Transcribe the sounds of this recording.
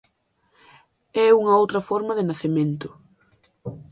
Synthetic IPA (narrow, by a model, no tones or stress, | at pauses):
ɛuŋɐowt̪ɾɐfɔɾmɐðɪnaθemẽnt̪ʊ